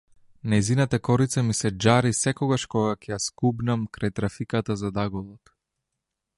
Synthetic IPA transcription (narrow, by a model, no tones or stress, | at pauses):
najzinat̪akɔɾit̪samisɛd͡ʒaɾisɛkɔɡaʃkɔɡakɛjaskubnamkɾajt̪ɾafikat̪azad̪aɡɔlˠɔt̪